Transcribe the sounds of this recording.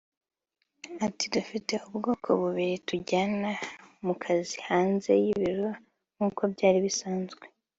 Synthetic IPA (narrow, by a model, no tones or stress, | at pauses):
atidufite̞ubɡo̞ːkʰo̞βuβiɾituɟanamukʰazihaːnze̞̰jiβiɾo | ŋuːko̞bɟaːɾiβisaːnzɡwe̞